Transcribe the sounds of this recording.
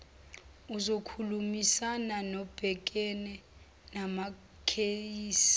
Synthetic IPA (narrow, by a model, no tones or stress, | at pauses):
uzokʰulumisananɔb̥ʱɛk̬ʼɛnɛ | nama | kʰeiːsi̥